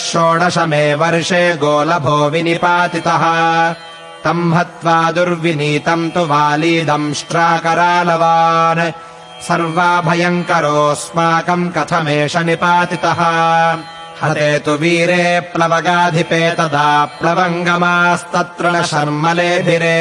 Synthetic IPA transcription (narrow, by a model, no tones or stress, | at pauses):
ʃoːɽɐʂɐmeːʋɐɾʂeːɡoːlɐbʱoːʋinipaːt̪it̪ɐɦɐ̆ | t̪ɐmɦɐt̪ʋaːd̪uɾʋiniːt̪ɐmt̪uʋaːlid̪ɐmʂʈɾaːkɐɾaːlɐʋaːne | sɐɾʋaːbʱɐjɐŋkɐɾoːsmaːkɐmkɐt̪ʰɐmeːʂɐnipaːt̪it̪ɐɦɐ | hɐɐt̪eːt̪uʋiːɾeːpɾɐʋɐɡaːd̪ʱipeːt̪ɐd̪aːpɾɐʋɐŋɡɐmaːst̪ɐt̪ɾɐnɐʃɐɾmɐleːbʱiɾe